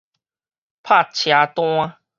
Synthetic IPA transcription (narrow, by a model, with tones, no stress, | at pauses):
pʰa˥˨t͡ɕʰja˨˧t̪w̃a˦